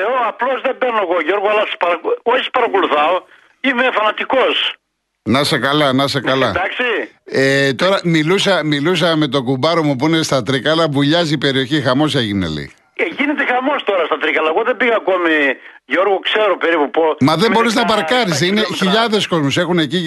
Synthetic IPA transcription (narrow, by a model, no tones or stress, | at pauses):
eoɐplo̞zðebeɾnoeɣoʝo̞ɾɣoɐlɐsɐ̥spɐɾɐkoçisɐ̥spɐɾɐkoluθɐo | imefɐnɐt̪iko̞s | nɐsekɐlɐnɐsekɐlɐd̪ɐksiet̪o̞ɾɐmilusɐmilus̬ɐme̞t̪o̞kubɐɾomup̬uinest̪ɐt̪ɾikɐlɐvuʎɐzipe̞ɾio̞çixɐmo̞seʝinḛlḭ | ʝinet̪exɐmo̞st̪o̞ɾɐst̪ɐt̪ɾikɐlɐeɣoðebiɣɐːko̞mi | ʝo̞ɾɣokse̞ɾopeɾipupomɐðe̞bo̞ɾiznɐbɐɾkɐɾis̬ineçiʎɐðe̞sko̞zmose̞xune̞ci